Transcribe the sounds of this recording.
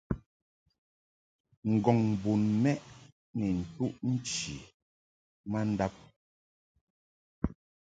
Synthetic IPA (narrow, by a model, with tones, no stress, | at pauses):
ŋ̩˨ɡɔ˨ŋbu˨nmɛ˦ʔ | nɛ˨n̩˨tu˦ʔn̩˦t͡ʃi˨ | ma˦n̩˦da˦p̚